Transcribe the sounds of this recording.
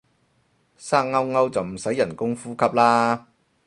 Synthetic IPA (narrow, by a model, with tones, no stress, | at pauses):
saː˥k̚ŋɐ˥wŋɐ˥wt͡sɐ˨wm̩˨˩sɐ˨˥jːɐ˨˩nkʊ˥ŋfuː˥kʰɐ˥p̚laː˥